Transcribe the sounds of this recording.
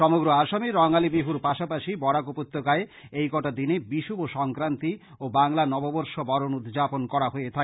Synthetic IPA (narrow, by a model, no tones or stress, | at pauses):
ʃɔmoɡɾoaʃamiɾɔŋalibiɦuɾpaʃapaʃibɔɾakopot̪ːokae | ejkɔʈad̪inebiʃuboʃɔŋkɾant̪i | obaŋlanɔboboɾʃobɔɾonud̪d͡ʑaponkɔɾaɦoet̪ʰa